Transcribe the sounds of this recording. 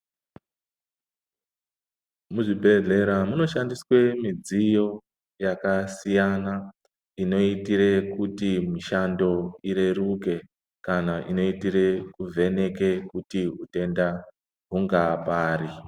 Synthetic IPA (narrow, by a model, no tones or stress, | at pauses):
muʐibʱe̞ɮe̞ɾamuno̞ʃandiswe̞mid͡zijo̞ | jakasijana | ino̞itiɾe̞kutimiʃando̞iɾe̞ruke̞ | kanaʔino̞itire̞kuvʱe̞ne̞ke̞kutiɦute̞nda | ɦuŋɡapaːri